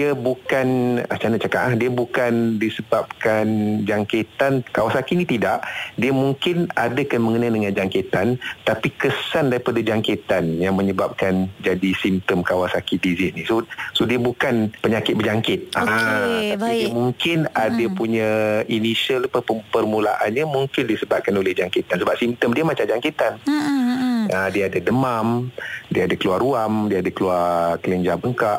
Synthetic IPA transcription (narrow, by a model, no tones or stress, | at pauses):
diəbukanat͡ʃanət͡ʃakaʔahdiəbukandisəbap̚kand͡ʒaŋket̪ankawasakinĩt̪idaʔdiəmuŋkɪnadəkanməŋənadəŋand͡ʒaŋkit̪ant̪apikəsandaɾipadad͡ʒaŋkit̪anjaŋməɲəbap̚kand͡ʒadisimt̪əmkawasakidizɪsnisosodiəbukanpəɲakɪt̪̚bəd͡ʒaŋkɪt̪̚aaimuŋkɪnadəpuɲãinisəlpəpərmula̰ʔanɲəmuŋkɪndiəsəbap̪̚kanolɪhd͡ʒaŋkit̪ansəbap̚simt̪əmdiəmat͡ʃamd͡ʒaŋkit̪an | ədiəadadəmamdiəadakəluaruamdiəadəkəluarkələɲd͡ʒabəŋkaʔ